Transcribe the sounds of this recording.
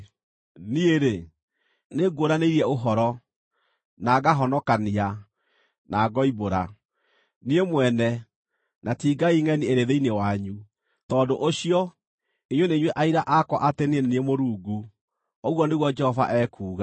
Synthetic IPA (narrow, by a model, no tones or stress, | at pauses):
nieɾe | neɡoɾaneiɾiɛoɦɔɾɔ | naɡaɦɔnɔkania | naɡɔiboɾa | niemwɛnɛ | natiːɡaiŋɛnieɾeðeinewaɲu | tɔːdoʔoɕiɔ | eɲweneɲweʔaiɾaʔakɔʔatenieneniemoɾuːɡu | oɣwɔneɣwɔd͡ʒɛhɔva̰ʔɛːkʰuːɣa